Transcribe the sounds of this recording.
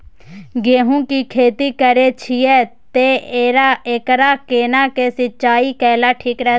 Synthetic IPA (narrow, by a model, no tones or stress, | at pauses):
ɡeːɦũːkikʰeːt̪ikəɾet͡ʃʰiɛːt̪eːeːɾaekɾaːkeːnaːkesɪt͡ʃaːiːkɛːlaːʈʰiːkɾɛ